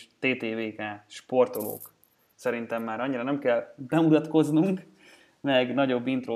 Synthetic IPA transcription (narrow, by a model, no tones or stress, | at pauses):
t̪eːt̪eːveːkaːʃpo̞rt̪olo̰ːk | sɛɾint̪ɛmːaːɾɒɲːiɾɒnɛmkɛlbɛmut̪ɒt̪ko̞znuŋk | mɛɡnɒɟo̞bːint̪ro